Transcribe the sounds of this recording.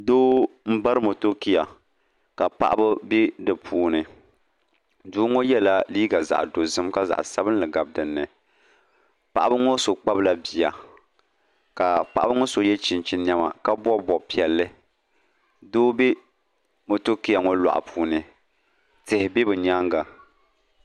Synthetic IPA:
doː˦m̩˦ba˦ɾɨ˦mo˨to˦ki˦ja˨ | ka˨pa̰˦ʔa˦bɨ˦be˦dɨ˨pʰuː˨˦nɨ˨ | duː˦ŋo˦jɛ˦la˦liː˦ɡa˨za̰˨ʔdo˨zɨ˦mka˦za̰˨ʔa̰˨sa˦bɨ˦n˦lɨ˨ɡa˨b̚dɨ˨nːɨ˨ | pa̰˨ʔa˦bɨ˦ŋo˦so˨k͡pa˦bla˦bi˨ja˨ | ka˨pa˨ʔa˦bɨ˦ŋo˦so˨jɛ˦t͡ʃi˨nt͡ʃi˨nɲja˦ma̰˨ka˦bɔ˦bɔ˨pi˨ɛ˨lːɨ˦ | doː˦be˦ | mo˨to˦ki˦ja˨ŋo˦la̰˨ʔa̰˨pʰuː˨nɨ˨ | tɨ˨hɪ˨bɪ˦bɨ˨ɲa˦ŋɡa˨

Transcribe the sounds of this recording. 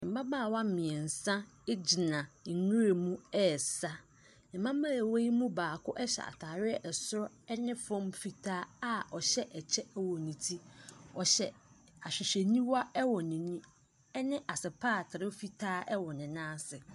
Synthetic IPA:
m̩˨ba˦baː˦˨wa˦m̩˨mɪ̃˨ɛ˨n̩˨sã˦e˦d͡ʑi˨nã˨ŋũ˦ɾe˨mũ˦ɛ˦˨sa˦ | nɪ̃˨mã˦mã˦˨we˦i˦mũ˦baː˨kʰʊ˦ʔɛ˦ɕɛ̰˨a̰˨tʰaː˨ɾɪ˦ɛ˦˨ʔɛ˨sʊ˦ɾɔ˦ɛ˦nɪ̃˦fɔ̃˦mfi˦tʰaː˦a˦ɔ˨ɕɛ˦ʔɛ˨t͡ɕʰɛ˦ɛ˦wɔ˨nĩ˨tʰi˦ɔ˨ɕɛ˨ | a˨ɕᶣɪ˨ɕɛ˨nĩ˦wa˦ɛ˦wɔ˨nɪ̃˨nĩ˦ | ɛ˦nɪ̃˦ʔa˨sɪ˨pʰaː˦˨tʰɪ˨ɾɪ˦fi˦tʰaː˦ʔɛ˦wɔ˨nɪ̃˨nã˦sɪ˨

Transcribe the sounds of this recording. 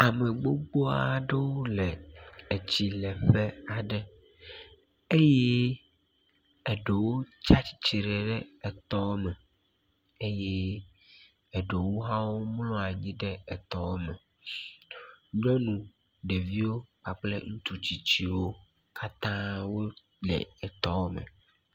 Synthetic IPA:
a˨me˨ɡ͡bo˦ɡ͡bo˦a˨ɖe˦wo˦lɛ˨e˨t͡ɕi˨lɛ˨ɸe˦a˨ɖɛ˦ | e˦je˦ | ɛ˨ɖe˨wo˦t͡ʃa˦t͡ɕi̥˨˦t͡ɕi˨ɾe˨ɖɛ˦ɛ˨t̪ɔ˦wmɛ˨ | e˦je˦ | ɛ˨ɖe˨wo˦ɦã˦wo˦mlɔ̃˦a˨ɲĩ˦ɖɛ˦ɛ˨t̪ɔ˨wo˦mɛ̃˨ | ɲɔ̃˦nũ˨ | ɖe˨vi˦wo˦k͡pa˨k͡plḛ˦ŋũ˦t̪u˦t͡ɕi˨t͡ɕi˦wo˦ | ka˦t̪ã˦wo˦ | lɛ̰˨ɛ˨t̪ɔ˦wo˦mɛ̰̃˨

